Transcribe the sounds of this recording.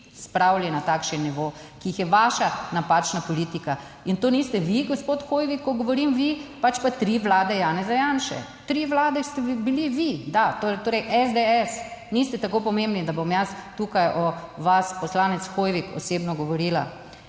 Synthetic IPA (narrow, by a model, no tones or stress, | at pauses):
spɾawlɛnat̪akʃɛnːiʋo | kiixjɛʋaːʃanapat͡ʃnapɔliːt̪ika | int̪oːnist̪ɛʋiɡospot̪xojʋikʰːɔɡɔʋɔɾimʋipat͡ʃpat̪ɾiʋlaːd̪ɛjaːnɛzajanʃɛ̰ | t̪ɾiʋlaːd̪ɛst̪ɛbiliʋid̪at̪ot̪oːɾəɪʔɛzd̪eɛsnist̪ɛt̪akopɔmembnid̪abomjast̪ukajʔɔʋaspɔslaːnɛt̪sxojʋikɔ̰seːbnɔɡɔʋɔɾiːla̰